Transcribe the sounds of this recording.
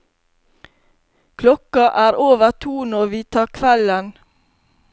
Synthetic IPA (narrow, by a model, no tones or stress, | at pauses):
kʰlɔkɑʔæːɾoːʋət̪ʰuːnɔʋiːt̪ʰɑːkʰʋɛlən